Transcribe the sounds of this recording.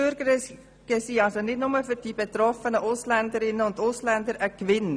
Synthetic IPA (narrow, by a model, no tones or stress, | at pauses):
øɾɡəɾə | ɡ̥əsiːɑlsonɪdnʊməfʏɾd̥iːb̥et̪ɾɔfənəʔʊslændəɾɪnːəʊndʊslænd̪əɾʔəkʋɪn